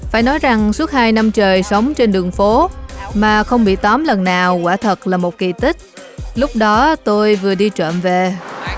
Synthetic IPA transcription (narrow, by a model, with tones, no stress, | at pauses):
faː˧˩jnɔ˨˦jza˨˩ŋsu˦˥ət̚haː˧jna˧mt͡ɕəː˨˩jsə˨˦wŋ͡mt͡ɕe˧nɗɨ˨˩əŋfo˨˦maː˨˩xə˧wŋ͡mɓḭ˧˨t̪ɔ˨˦mlə˨˩nːaː˨˩wkwaː˧˩t̪ʰə˨˩t̚laː˨˩mo˨˩t̚ki˨˩t̪ï˦˥k̟̚ | lʊ˦˥k͡p̚ɗɔ˨˦t̪o˧jvɨ˨˩əɗi˧t͡ɕə̰ː˧˨mve˨˩